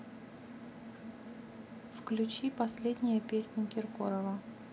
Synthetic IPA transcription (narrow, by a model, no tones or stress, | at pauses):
fklʲʉt͡ɕipɐsʲlʲed̪ʲnʲɪjəpʲesʲnʲɪkʲɪrko̰ɾəvə